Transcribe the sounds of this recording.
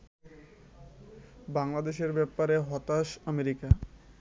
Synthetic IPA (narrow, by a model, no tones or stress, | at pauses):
baŋlad̪eʃeɾbɛpaɾeɦɔt̪aʃameɾika